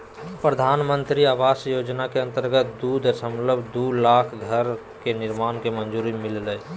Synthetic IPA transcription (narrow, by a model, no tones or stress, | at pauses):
pɾəd̪ʱaːnmə̃nt̪ɾiaːʋaːsjoːd͡ʒnakeə̃nt̪əɾɡət̪̚d̪uːd̪ʱsəmləbʱd̪ulaːkʰɡʱəɾ | kenɪɾmaːnkemənd͡ʒuːɾimɪllə